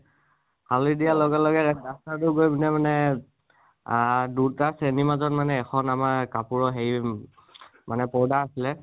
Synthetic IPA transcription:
hʰalidialɔɡɛlɔɡɛɹɛastatʊɡojbinɛmanɛ | dutasenimazɔnmanɛːxʰɔnamaɹkapuɹɔɦeɹi | manɛpɔɹdaasilɛ

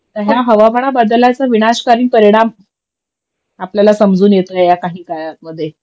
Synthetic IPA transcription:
t̪əɦjaɦəʋabʱəɽ̃abad̪lat͡saʋinaɕkaɾiːnpəɾiɽ̃am | apljalasəmd͡zuːnjet̪əejakaɦiːkajaməd̪ʱːje

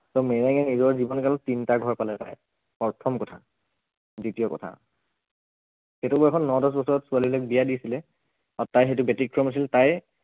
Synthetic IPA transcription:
sɔmɛɹaŋɛnizɔɹzibɔnkalɔtintaɡʱɔɹpalɛta̰j | pɔɹtʰɔmkɔtʰa̰ | ditijɔkɔ̰tʰa̰ | xetubɔɛkʰɔnːɔdɔs̬bɔsɔɹɔtsualilojk̚bijadisilɛ | atajɦetʊbɛtikɹɔmas̬iltaj

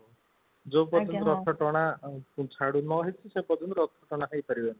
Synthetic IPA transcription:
d͡ʒopɔd͡ʒʰɔnɔt̪ɾɔɔt̪ʰɔʈɔɽ̃apũt͡ʃʰaɽunɔɦet͡ʃʰisepɔtɔnt̪ɾɔɔt̪ʰːɔʈɔɽ̃aɦejpaɾibeni

